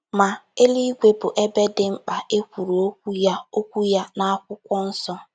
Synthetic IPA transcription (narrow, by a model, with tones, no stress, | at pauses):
ma˨e˦li˦i˦ɡʷe˦bʊ˨ʔe˦be˦dɪ˦ŋ͡m̩˦k͡pa˨e˦kʷu˨ɾo˨o˦kʷu˦ja˦o˦kʷu˦ja˦na˦a˦kʷʊ˦kʷɔ˦n̩˦sɔ˦